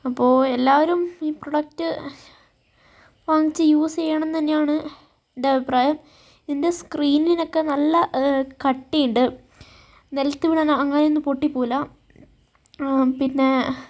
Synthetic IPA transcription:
ɐpːo̞ːelːaːʋɐɾumiːproɽɐk̚tɨ | ʋaːŋit͡ɕːɨjuːst͡ɕejːaɳɐnt̪ɐnːejaːɳɨ | endeɐbʱipraːjɐm | nde̞skriːnino̞kːe̞nɐlːɐkɐʈːijuɳɖɨ | nelɐt̪ːɨʋiɽɐnɐɐŋːɐneonːɨpoʈːipːoːlɐ | pinːe̞

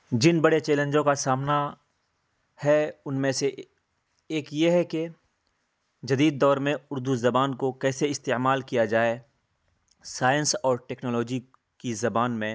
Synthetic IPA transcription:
d͡ʒɪnbɐɽet͡ʃeːlə̃nd͡ʒõkasaːmna | hɛʊnmẽse | eːkjeɦɛke | d͡ʒɐd̪iːd̪̚ːɔːɾmẽʊɾd̪uzɐbaːnkokɛːseɪst̪eːmaːlkijad͡ʒaːe | saːjənsɔːɾʈɛːknɔːlɔːd͡ʒi | kizɐbaːnmẽ

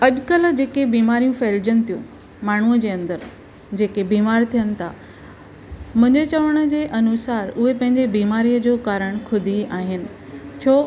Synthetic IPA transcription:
ɐʄkəl̆d͡ʑeːkebiːmaːɾijũfeːld͡ʑənɪt̪ʰijũ | maːɳ̤uəd͡ʑeːɐ̃nd̪əɾ | d͡ʑeːkebiːmaːɾt̪ʰijənɪ̆t̪ʰa | mʊ̃ɦɪ̃ɲd͡ʑet͡ɕɐʋəɽ̃ə̆d͡ʑeːʔɐnʊsaːɾʊɦepɐ̃ɦɪ̃ɲd͡ʑebiːmaːɾiːjəd͡ʑoːkaːɾəɽ̃kʰʊd̪ʱiaːɦɪnɪ̆ | t͡ɕʰoː

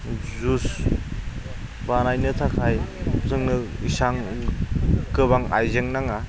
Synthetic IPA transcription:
zus | banajnɯtʰakʰajzɯŋnɯisaŋ | kɯβaŋa̰jzeŋnaŋa

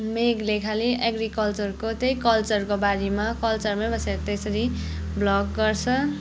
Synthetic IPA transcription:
meɡlekʰaliʔaɡrikʌlt͡sʌrkot̪ejkʌlt͡sʌrkobaɾimakʌlt͡sʌrmabʌseɾʌt̪esʌɾi | blʌkɡʌrt͡sʰʌ

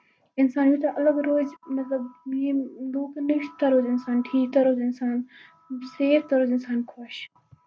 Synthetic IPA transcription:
ɪnsaːnmit̪aʔɐlɐɡɾoːzmɐt̪lɐbmiluːkniʃt̪ɐɾoːzɪnsaːnʈʰiːk̚t̪aɾoːzɪnsaːn | seːɾt̪aɾoːzɪnsaːnkʰoʃ

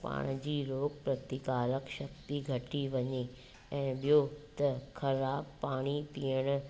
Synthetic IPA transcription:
pa̰ːɽ̃d͡ʑiːɾoːkpɾɐt̪ɪkaːləkʃɐk̚t̪iɡʱɐʈiʋɐɲe | ɛ̃ːɓijot̪ɐkʰɐɾaːb̚paːɽ̃ipijəɽ̃ʊ̆

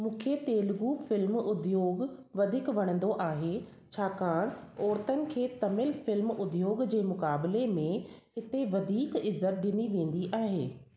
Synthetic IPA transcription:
mũːkʰet̪eːlɡufɪlmʊd̪joːɡʋɐd̪ʱɪkʋɐɽ̃ə̃nd̪oʔaːɦe | t͡ɕʰaːkaːɽ̃ɔːɾt̪ənɪ̆kʰeːt̪ɐmɪlfɪlmʊd̪ʱjoːɡd͡ʑeːmʊkaːbɪlemẽ | ɦɪt̪eʋɐd̪ʱiːkɪzːət̪̚ɗɪniʋẽːn̆d̪iʔaːɦḛː

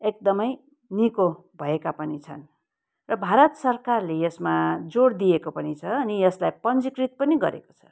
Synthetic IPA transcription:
ek̚d̪ʌmʌj | niko | bʱʌekapʌnit͡sʰʌ̰n | rʌbʱaɾʌt̪sʌrkarlejʌsmad͡zoɽd̪ijekopʌnit͡sʰʌːnijʌslajpʌnd͡zikrit̪̚pʌniɡʌ̰ɾḛko̥t͡sʰʌ̥

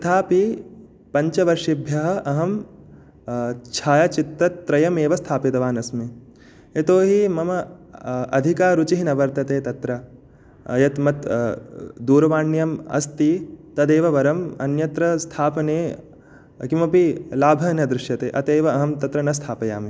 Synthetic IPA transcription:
ɐt̪ʰaːpi | pɐɲt͡ʃɐʋɐɾʃibʱjɐɦɐ̆ʔɐɦɐm | t͡ʃʰaːjɐt͡ʃit̪ːɐt̪ːɾɐjɐmeːʋɐst̪ʰaːpit̪ɐʋaːnɐsme | et̪oːɦimɐmɐ | ɐ̰d̪ʱikaːɾut͡ʃiɦinɐʋɐɾt̪ɐt̪eːt̪ɐt̪ɾɐ | ɐ̰jɐt̪mɐt̪ | d̪uːɾɐʋaːɳjɐmɐ̰st̪it̪ɐd̪eːʋɐʋɐɾɐmɐ̰njɐt̪ɾɐst̪ʰaːpɐneː | kimɐpilaːbʱɐnɐd̪ɾɪʃjɐt̪eːʔɐt̪eːʋɐɐɦɐmt̪ɐt̪ɾɐnɐst̪ʰaːpɐja̰ːmi

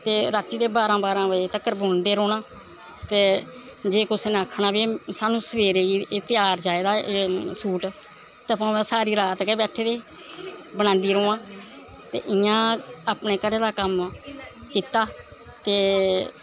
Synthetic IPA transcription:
t̪eːɾaːt̪ːiːd̪eːbaːɾãːbaːɾãːʋəet̪əkəɾbʊnd̪eːɾoːnãː | t̪eː | d͡ʒeːkʊsnẽəkʰːnaːbiːsaːnũːsəʋeːɾeːɡiːeːt̪ɪjaːɾd͡ʒaːeːd̪aːʔeːsuːʈ | t̪eːəpãːmɛ̃ːsaːɾiːɾaːt̪keːbɛːʈʰːeːd̪eː | bəñãːnd̪iːɾoːãː | t̪ḛːʔɪjãːaːpneːkəɾeːd̪aːkəm | kiːt̪aː | teː

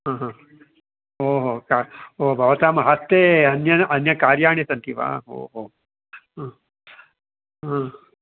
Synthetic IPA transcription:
ɦãːɦãː | oːɦoːkaoːbʱɐʋɐt̪aːmɐɦɐst̪ːeːɐnjɐɐnjɐkaːɾjaːɳisɐnt̪ʰiʋa̰ːɦo̰ːɦoː | ɦã | ɦãː

